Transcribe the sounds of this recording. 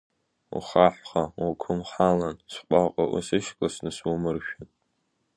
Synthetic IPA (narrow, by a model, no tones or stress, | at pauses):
ṵχaħʷχawakʷʰʊmχalansʷqʷʼaqʼa̰ʔʊ̰sɨʃkʼlasnɨswumɨrʃᶣan